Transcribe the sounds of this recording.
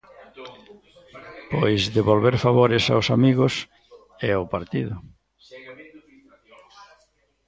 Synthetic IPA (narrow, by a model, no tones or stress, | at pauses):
pojzðeβolβeɾfaβoɾɪsa̰wsamiɣʊs | ɛopaɾt̪iðʊ